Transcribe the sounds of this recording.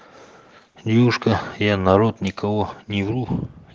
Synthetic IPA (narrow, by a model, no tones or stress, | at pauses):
dʲewuʂkəjanɐɾot̪nʲɪkɐwonʲɪvɾu